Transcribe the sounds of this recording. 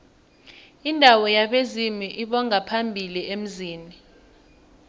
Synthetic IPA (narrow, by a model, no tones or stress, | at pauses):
indʱawɔjaɓezimiʔiɓɔŋapʰambʱiliem̩ziːni